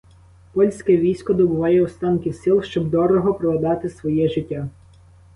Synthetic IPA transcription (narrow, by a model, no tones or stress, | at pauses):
pɔlʲsʲkɛʋʲijsʲkɔd̪ɔbʊʋɑjɛʊst̪ɑnkʲɪsɪlˠʃt͡ʃɔbd̪ɔɾɔɦɔpɾɔʋɐd̪ɑt̪ɪsʋɔjɛʒɪtʲːa